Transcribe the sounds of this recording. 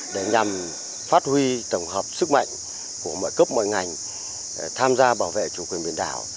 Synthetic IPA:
ɗe˧˩ɲa˨˩m | faː˦˥t̚hwi˧t̪ə˧˩wŋ͡mɦəː˨˩p̚sɨ˦˥k̚ma̰˧˨jŋ̟ | ku˧˩əmɔ̰˧˨jkəː˦˥p̚mo̰˧˨jŋa˨˩jŋ | t̪ʰaː˧mzaː˧ɓaː˧˩wvḛ˧˨t͡ɕu˧˩kwi˨˩ənɓi˧˨ənɗa̰ː˧˩˦w

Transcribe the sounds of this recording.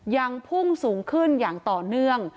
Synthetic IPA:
ja˧ŋpʰu˥˩ŋsuː˩˦ŋkʰɯ˥˩njaː˨˩ŋt̪ɔː˨˩nɯ˥˩əŋ

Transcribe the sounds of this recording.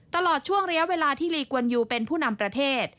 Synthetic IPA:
t̪ːa˧lɔː˨˩t̪̚t͡ɕʰu˥˩əŋɾi˦ɐ˥weː˧laː˧t̪ʰiː˥˩liː˧ku˧ənjuː˧˩pe˧npʰuː˥˩na˧mpɾa˧t̪ʰeː˥˩t̪̚

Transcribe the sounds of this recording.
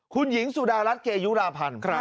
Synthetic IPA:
xu˧nɣḭ˧˦ənsu˧ɗaː˧laː˦˥t̚ke˧zu˨˦˥laː˧pʰa˨˩n

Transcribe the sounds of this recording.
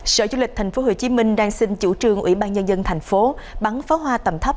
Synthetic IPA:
sə̰ː˧˨˩t͡ɕu˧lï˨˩k̚t̪ʰa˨˩j̟fo˨˦ɦo˨˩t͡ɕi˨˦mï˧ŋ̟ɗaː˧ŋsï˧nt͡ɕṵ˧˩t͡ɕɨ˨˩əŋʔwḭ˧˩ɓaː˧nɲə˧nzə˧nt̪ʰa˨˩jŋ̟fo˨˦ɓa˨˦ŋfaː˨˦ɦwaː˧t̪ə˨˩mt̪ʰə˦˥p̚

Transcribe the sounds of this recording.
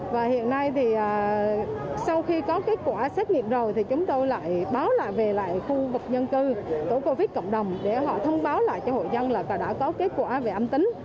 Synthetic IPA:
vaː˨˩hḭ˧˨ənːa˧jt̪ʰi˨˩ʔaː˨˩ | sa˧wxi˧kɔ˨˦ke˨˦˥t̚kwaː˧˩sɛː˦˥t̚ŋḭ˧˨əmzo˨˩jt̪ʰi˨˩t͡ɕʊ˨˦ŋ͡mt̪o˧jla̰ː˧˨jɓaː˨˦wla̰ː˧˨jve˨˩la̰ː˧˨jxu˧vɨ˨˩k̚ɲə˧nkɨ˧t̪o˧˩ko˧vi˦˥t̚kɔ̰˧˨wŋ͡mɗə˨˩wŋ͡mɗe˧˩ɦɔ̰˧˨t̪ʰə˧wŋ͡mɓaː˨˦wla̰ː˧˨jt͡ɕɔ˧ho̰˧˨jzə˧nlaː˨˩ka˨˩ɗa̰ː˧˥kɔ˨˦ke˨˦˥t̚kwaː˧˩ve˨˩ʔə˧mt̪ï˨˦ŋ̟

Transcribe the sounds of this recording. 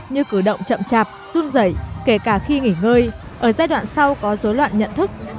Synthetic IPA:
ɲɨ˧kɨ˧˩ɗə̰˧˨wŋ͡mt͡ɕə̰˧˨mt͡ɕaː˨˩p̚zu˧nzə˧˩jke˧˩kaː˧˩xi˧ŋi˧˩ŋəː˧j | ʔəː˧˩zaː˧jɗwa̰ː˧˨nsa˧wkɔ˨˦zo˨˦jlwa̰ː˧˨nɲə̰˧˨nt̪ʰɨ˦˥k̚

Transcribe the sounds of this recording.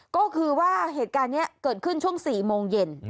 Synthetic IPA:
kɔː˥˩kʰɯː˧waː˥˩ɦeː˨˩t̪̚kaː˧nːi˦˥ɐkɤː˨˩t̪̚kʰɯ˦˥˩nt͡ɕʰu˥˩əŋsiː˨˩moː˧ŋje˧n

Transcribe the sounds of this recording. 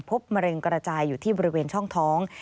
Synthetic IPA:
pʰo˦˥p̚ma˧ɾɤ˧ŋkɾa˧t͡ɕaː˧jːuː˨˩t̪ʰiː˥˩bɔː˧ɾi˦weː˧nt͡ɕʰɔ˥˩ŋt̪ʰɔː˦˥ŋ

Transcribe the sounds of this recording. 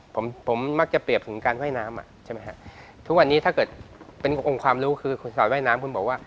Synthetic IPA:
pʰo˩˦mpʰo˩˦mːa˦˥k̚t͡ɕa˨˩pɾi˨˩əp̚t̪ʰɯ˩˦ŋkaː˧nwa˥˩jnaː˦˥mʔa̰˨˩ʔt͡ɕʰa˥˩ma˦˥kʰa˦˥ʔ | t̪ʰu˦˥k̚wa˧nːiː˦t̪ʰa˥˩kɤː˨˩t̪̚pe˧nʔo˧ŋkʰwaː˧mɾuː˦˥kʰɯː˧kʰu˧nsɔː˨˩t̪waː˥˩jnaː˦˥mkʰu˧nbɔː˨˩k̚waː˥˩

